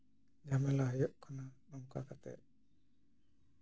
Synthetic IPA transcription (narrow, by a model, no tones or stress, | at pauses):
d͡ʒamɛlaɦjɔʔkʰananɔmka̰kat̪ɛ̰ʔ